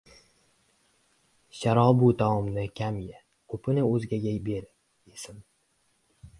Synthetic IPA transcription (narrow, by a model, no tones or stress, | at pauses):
ʃaɾɒbut̪ʰaɒmnɪkʲʰamja | kʰɵpʰɪnɪɵzɡʲaɡʲabeɾɪ | esɪm